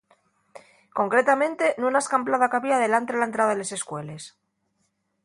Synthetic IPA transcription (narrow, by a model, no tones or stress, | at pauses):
ko̞ŋkɾe̞t̪amẽ̞nt̪e̞nunaeskamplaðakaβiaðe̞lant̪eðelaent̪ɾaðaðelese̞skwe̞le̞s